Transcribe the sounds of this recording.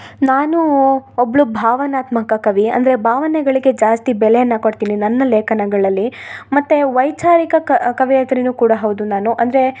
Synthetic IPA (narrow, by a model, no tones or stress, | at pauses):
naːnuobɐɭubʱaːʋɐnaːt̪mɐkɐkɐʋiɐ̰nd̪ɐɾe̞bʱaːʋɐnɛɡɐɭiɡe̞d͡ʒaːst̪ibɛlɛjɐnːɐkoɽt̪iːninɐnːɐleːkʰɐnɐɡɐɭɐlːimɐt̪ːeʋɐjt͡ʃaːɾikɐɐkɐʋijɐt̪ɾinuːkuːɽɐɦɐwud̪unaːnuʔɐnd̪ɐɾe